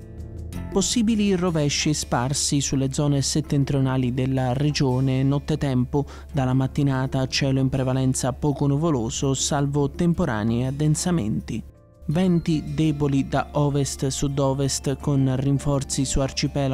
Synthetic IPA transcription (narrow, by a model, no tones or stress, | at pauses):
posːiːbilirovɛʃːɪsparsisulːed̪zɔːneset̪ːɛnt̪ɾionaːlid̪elːared͡ʒoːnenɔt̪ːet̪ɛmpʊ | d̪alamat̪ːinaːt̪aːt͡ʃːɛːlʊimpɾevalɛnt̪sapɔːkʊnuvoloːzʊsalvʊt̪empoɾa̰ːniad̪ːɛnsamɛ̰nt̪i | vɛnt̪id̪ɛːbolid̪aʔɔːvest̪sud̪ɔːvest̪kʊnriɱfɔrt̪sisuart͡ʃipɛːla